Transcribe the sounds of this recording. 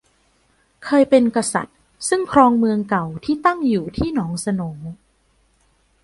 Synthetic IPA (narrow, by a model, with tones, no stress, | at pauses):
kʰɤː˧jpe˧nka˧sa̰˨˩t̪̚ | sɯ˥˩ŋkʰɾɔː˧ŋmɯ˧əŋka˨˩wt̪ʰiː˥˩t̪a˥˩ŋjuː˨˩t̪ʰiː˥˩nɔː˩˦ŋsa˧noː˩˦